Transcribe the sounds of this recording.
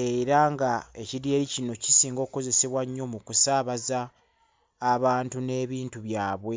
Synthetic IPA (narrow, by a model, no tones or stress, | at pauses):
e̞ɾaŋɡaeciɾje̞ːɾicino̞cisiːŋɡo̞ːkko̞ze̞se̞βwaɲːo̞mukusaːβazaː | βaːntune̞ːβiːntuβjaːβwe̞